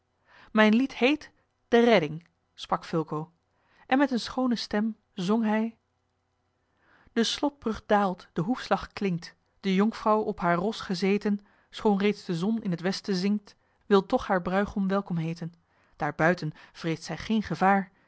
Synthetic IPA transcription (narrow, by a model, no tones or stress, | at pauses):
mɛjnlithejt | d̥ərɛdɪŋ | sprɑkfʏlˠkow | ʔɛnmɛtənsχownəstɛm | zɔŋɦɛj | d̥əslɔt̚b̥rɵχ̚daːlˠtd̥əɦufslɑχklɪŋt | d̥əjɔŋkfrɑwɔpɦaːɹrɔsχəzejtən | sχownrejtzdəzɔnɪnɦətʋɛstəzɪŋk̚t | ʋɪlˠtɔχhaːɹbrœɥχɔmʋɛlˠkɔmɦejtən | d̥aːɹbœɥtənv̥rejstsɛjχejnχəvaːɹ